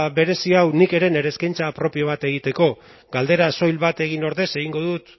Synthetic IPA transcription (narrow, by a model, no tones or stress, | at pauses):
βe̞ɾe̞siawnike̞ɾe̞ne̞ɾe̞skajnt͡sapɾo̞pio̞β̞at̪e̞ɣ̞it̪e̞ko̞ | ɡald̪e̞ɾaso̞jlβat̪e̞ɣ̞ino̞ɾðe̞se̞ɣiŋɡo̞ðut̪